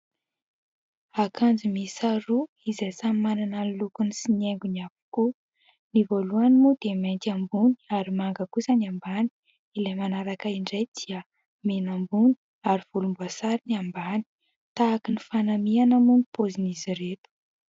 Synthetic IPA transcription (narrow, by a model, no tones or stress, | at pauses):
akʰand͡zimisaɾu | izejsammanananlukunisineŋɡuniavu̥ku | nivoluanimud̪̥ement̪ambuni̥aɾimaŋɡəkusəniambani̥ | ilejmanaɾakaiɳɖ͡ʐejd̪̥iə | menambuni̥ | aɾiv̥ulumbuasaɾiniambani̥ | t̪aːkinifanamianəmunipoziniziɾet̪u̥